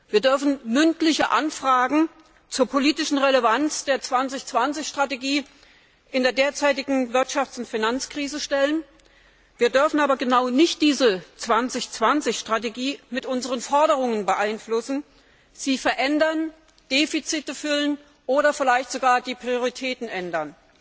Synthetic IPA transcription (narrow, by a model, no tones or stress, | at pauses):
viːɐdʏɐfn̩mʏntlɪçəʔa̰nfʁ̥aːɡŋ̩ | t͡suːɐpʰoliːtɪʃn̩ʁeləvant͡sd̥eːɐt͡sv̥ant͡sɪçt͡sv̥ant͡sɪçʃtʁ̥ateɡiː | ʔɪndeːɐdeːɐt͡saɪtɪɡŋ̩vɪɐtʃaft͡sʊntfinant͡skʁ̥iːzəʃtɛlən | viːɐdʏɐfn̩aːbɐɡənaʊnɪçt̚d̥iːzət͡sv̥ant͡sɪçt͡sv̥ant͡sɪçʃtʁ̥at̬eɡiːmɪtʔʊnzəʁ̞ənfɔɐɾəʁ̞ʊŋənbəʔaɪnflʊsn̩ | z̥iːfɛɐʔɛndɐn | d̥eːfit͡sitəfʏlən | ʔoːɾɐfɪlaɪçtz̥oɡaːɐdiːpʁ̥ioʁitʰɛːtn̩ʔɛndɐn